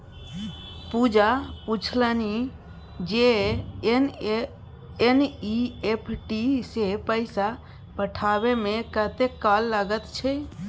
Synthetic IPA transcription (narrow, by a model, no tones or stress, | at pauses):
pud͡ʒaput͡ʃʰləni | d͡ʒe | eniepʰʈisepəɪsa | pəʈʰabemekət̪ekːalːaɡət̪t͡ʃʰɛ